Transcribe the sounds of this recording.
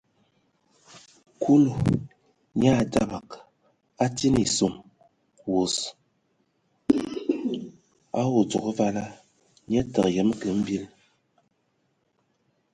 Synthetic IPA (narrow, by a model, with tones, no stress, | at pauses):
kʰu˦lu˨ | ɲ˦a˦˨da̰˦ba˨k | a˦ti˦ni˨so˨m | wo˨s | a˦wo˨d͡zo˨kə˦va˦la˦ | ɲ˦ɛ˦tə˨kjə˨˦m˦kə˨˦m̩˦bi˦l